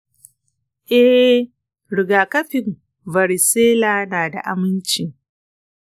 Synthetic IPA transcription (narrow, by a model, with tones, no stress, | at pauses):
ʔɛ˦ | ɽɪ˨ɡaː˨kɐ˦ɸɪ˨m | vɐ˨ɾi˨seː˦laː˨naː˨da̰˨ʔa˨mɪ˦nt͡ʃɪ˨ŋ